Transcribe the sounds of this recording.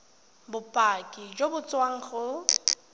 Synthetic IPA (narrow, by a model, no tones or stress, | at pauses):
bʊpʼakʼid͡ʒobʊt͡sʼwaŋ̩χʊ